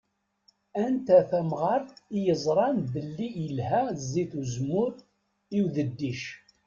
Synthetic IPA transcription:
ænt̪æθæmʁɑɾijəzˤɾˤɑnbəlːijəlhæziθuzmʊɾ | iwðəd̪ːiʃ

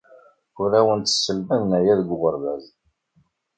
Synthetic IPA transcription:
ʊɾæwənt̪ə̥sːəlmənnæjæðɡʷʁəɾvæz

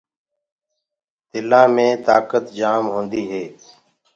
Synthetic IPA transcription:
t̪ɪlãːmẽːt̪aːkət̪d͡ʒaːmɦõːnd̪iːɦeː

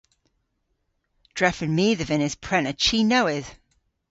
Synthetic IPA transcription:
d̥ɹɛfənmiːðəvɪ̃nɪz̥pʰɹ̥ɛnət͡ʃʰiːnowɪð̥

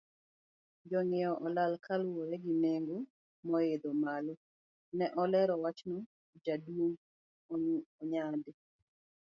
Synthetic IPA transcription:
d͡ʒɔŋɪɔʔɔlalkalwɔɾɛɡɪneŋɡo | mɔed̪omalɔ | nɛʔɔlɛɾɔwat͡ʃnɔ | d͡ʒadwoŋ | ouɔɲadɪ

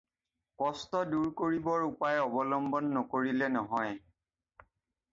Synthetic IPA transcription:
kɔstɔduɹkoɹibɔɹupajɔbɔlɔmbɔnːɔkoɹilɛnɔɦɔj

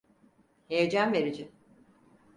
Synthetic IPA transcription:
hejed͡ʒænveɾid͡ʒɪ

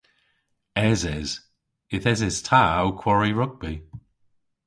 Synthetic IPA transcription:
ɛzɛz̥ | ɪθɛzɛz̥tʰaawkʰw̥ɔɹiɹʊɡ̚bi

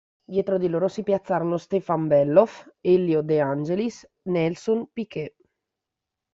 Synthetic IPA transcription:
d̪jɛːt̪ɾod̪iloːɾosipjat̪sːaːɾonost̪efambɛlːofeljod̪eand͡ʒelis | nɛlsonpike

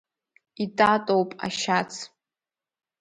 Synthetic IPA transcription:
itʼatʼowpʼa̰ʃat͡sʰ

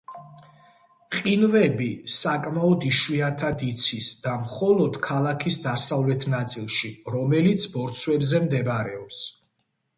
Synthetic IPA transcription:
qʼinvɛbisakʼmaɔd̪iʃwiant̪ʰad̪it̪sʰisd̪̥amχɔlˠɔd̪̥kʰalˠakʰisd̪asavlɛt̪ʰnat̪sʼilˠʃiɾɔmɛlit̪sʰbɔɾt̪sʰwɛbzɛmd̪ɛbaɾɛɔps

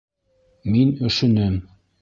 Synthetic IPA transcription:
minɵ̆ʃɵ̆nɘm

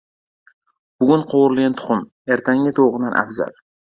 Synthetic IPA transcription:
b̥ʊɡʲʊnqʰowɾlɡʲant̪ʰʊ̥χʊm | eɾt̪ʰaŋːɪt̪ʰoʁɨd̪anʔa̰fza̰l

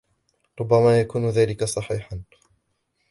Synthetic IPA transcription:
ɾˤʊbːamaːjakuːnʊðaːlɪkasˤɑħiːħan

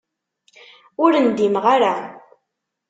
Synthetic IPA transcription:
ʊɾənd̪imʁaɾa

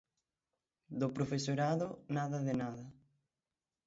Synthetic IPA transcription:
d̪opɾofesoɾaðonaðɐðenaðɐ

